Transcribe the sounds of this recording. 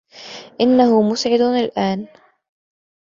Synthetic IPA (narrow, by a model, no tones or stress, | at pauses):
ʔɪnːahʊmʊsʕɪd̪alʔaːn